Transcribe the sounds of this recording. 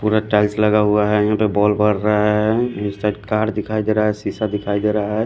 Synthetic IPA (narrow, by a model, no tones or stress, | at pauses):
puɾaʈaɪsləɡaɦuaɦɛjɦãpebɔːlbəɽːəɛɪnsʈaɖkaːɾd̪ɪkʰaid̪eɾaaɦɛsisad̪ɪkʰaid̪eɾaaɦɛ